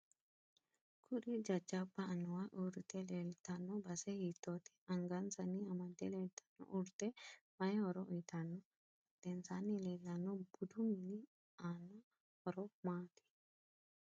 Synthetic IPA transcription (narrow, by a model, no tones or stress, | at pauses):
kʰʊɗid͡ʒɐd͡ʒabaːnːɔwaʔuɾt̪ɛlelt̪ɐnːɔbɐsɛhit̪ːot̪ɛ̥ɐŋɡɐnsɐniɐmɐd̪ɛleːlt̪ɐ̥nːɔ̰ʔuɾt̪ɛmɐjɛhɔɾɔʔɔjt̪ɐnːɔ | d̪̥ɛnsanːilelːɐnːɔbʊd̪umini | aːnːa | ɔɾɔmaːt̪ʰi̥